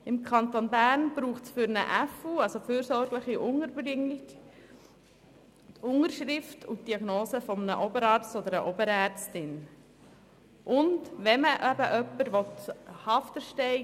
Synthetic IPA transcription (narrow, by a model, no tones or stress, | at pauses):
ɪmkʰɑnt̪onbæːɾnb̥ɾuːχtsfʏɾnə̰ʔæfuɑlsofyːɾsɔɾɡləχiʔʊŋəɾbɾɪŋːɪk | tʊŋəɾʃɾɪftʰʊt̚d̥iɑɡnoːsəfɔmnəʔɔbəɾɑːɾt͡stɔd̪əɾəʔɔbəɾæɾt͡stɪn | ʔʊndʋɛməʔæbəʔœpːəɾʋɔt̪hɑftəɾʃtɛɪ